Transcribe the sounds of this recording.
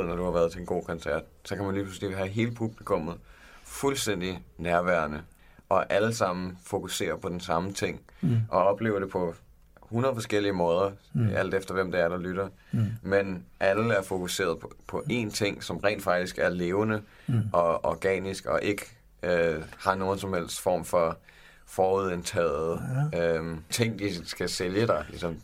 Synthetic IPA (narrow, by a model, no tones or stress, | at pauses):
ð̩̰ˠnɒd̥uhɑ̈ʋæːɐð̞ˠt͡sʰe̝lenɡo̝̰ːkʰɒ̽nsæɐ̰d̥̚sɒ̽kʰæmænlipʰʁuslḭːɦæɦe̝ːləpʰub̥likʰɔ̽mð̞̩ˠ | fulsd̥en̰d̥inæɐʋæɐnə | ʔɒ̽ʔæləsɑ̈m̰n̩fo̝kʰuse̝̰ːɐpʰɒ̽d̥ensɑ̈mət͡sʰe̝ŋ̰ʔɒ̽ɒ̽b̥le̝ːʊɐd̥e̝pʰɒ̽ | hunɐðˠfɒ̽sɡ̥el̰iəmɔ̽ːð̞ˠɐæl̰d̥efd̥ɐʋem̰d̥eæɐɾ̥ɑlyɾ̥ɐ | menʔæləæɐfo̝kʰuse̝̰ːɐðˠpʰpʰɒ̽ʔe̝nt͡sʰe̝ŋ̰sɒ̽mʁɛ̰ːnd̥fɑ̈ɡ̥d̥isɡ̥æɐle̝ːʊnə | ʔɒ̽ɒɡ̥ɛ̰ːnisɡ̥ɒ̽ʔe̝ɡ̥ə | øhɑ̈no̝ːn̩sɒ̽mhel̰sd̥fɒ̰ːmfɒ̽ | fɒːuðˠent͡sʰɛ̰ːð̩ˠøt͡sʰe̝ŋ̰d̥isɡ̥æseljəd̥ɑ̈ɪlisɒ̽m